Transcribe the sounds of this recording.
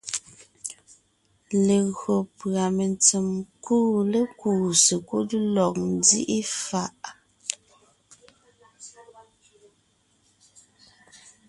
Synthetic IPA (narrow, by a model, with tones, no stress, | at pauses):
le˨ɣɰo˨pɰa˨me˨nt͡se˨mkuː˦le˦kuː˦˨se˨ku˦də˦lɔ˨k̚n˦dḭ˦ʔi˦fa˨ʔ